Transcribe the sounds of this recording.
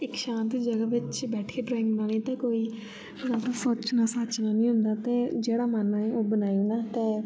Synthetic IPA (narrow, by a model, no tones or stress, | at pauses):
ɪkʃãːnt̪d͡ʒəɡaːʋɪt͡ʃbɛːʈʰkeːɖɾɔːɪ̃ŋɡnaːlẽːt̪ãːkoːiː | nãːkusoːtt͡ʃnaːsaːt͡ʃnaːnĩːɦʊ̃nd̪aːt̪eːd͡ʒeːɽaːmanɛ̃oːbənaːioːnaːt̪eː